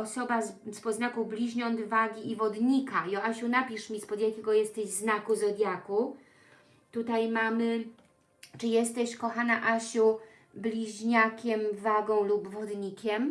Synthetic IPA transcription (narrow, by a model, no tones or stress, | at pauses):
ɔsɔbaspɔznakublʲiʑɲɔnd̪vaɡʲiivɔd̪ɲikaiɔaɕunapʲiʂmʲispɔd̪jakʲɛɡɔjɛst̪ɛʑznakuzɔd̪ʲjaku | t̪ut̪ajmamɘ | t͡ʂɘjɛst̪ɛɕkɔxanaʔaɕu | blʲiʑɲakʲɛmvaɡɔ̃w̃lubvɔd̪ɲikʲɛm